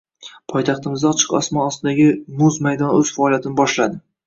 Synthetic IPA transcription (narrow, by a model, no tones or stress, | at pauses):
pʰɒjt̪ʰɑχt̪ɪmɪzd̪aɒt͡ʃʰɪ̥qɒ̰smɒnɒst̪ɪd̪aɡʲɪmʊzmajd̪ɒnɵz̥faːlijat̪ʰɪnɪbɒʃlad̪ɪ